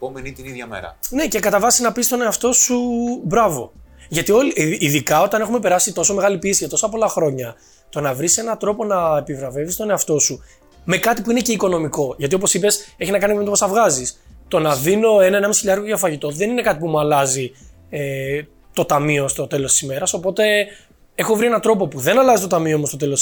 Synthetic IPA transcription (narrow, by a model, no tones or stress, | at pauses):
pomenit̪iniðʝɐmḛɾɐ̰ne̞ce̞kɐt̪ɐvɐsinɐpist̪o̞ne̞ɐft̪o̞subɾɐvo̞̰ʝɐt̪io̞liiðikɐo̞t̪ɐne̞xume̞pe̞ɾɐsit̪o̞so̞me̞ɣɐlipiesiʝɐt̪o̞sɐpo̞lɐxɾo̞ɲɐ | t̪o̞nɐvɾise̞nɐt̪ɾo̞po̞nɐepivɾɐve̞vist̪o̞ne̞ɐft̪o̞su | me̞kɐt̪ipuine̞ce̞iko̞no̞miko̞ʝɐt̪iop̬o̞sipe̞seçinɐkɐnipmet̪pst̪ɐvɣɐzist̪o̞nɐðino̞e̞nɐenɐmisiʎɐɾɣoʝɐfɐʝit̪o̞ðe̞nine̞kɐt̪ipumuɐlɐzi | e | t̪o̞t̪ɐmio̞st̪o̞t̪e̞lo̞st̪i̥sime̞ɾɐso̞po̞t̪e̞ | e̞xo̞vɾie̞nɐt̪ɾo̞po̞puðe̞nɐlɐzit̪o̞t̪ɐmiomost̪o̞t̪e̞lo